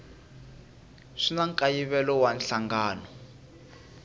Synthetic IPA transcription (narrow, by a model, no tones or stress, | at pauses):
ʂinaŋkʼajiβɛlɔwanɬaŋɡaːnɔ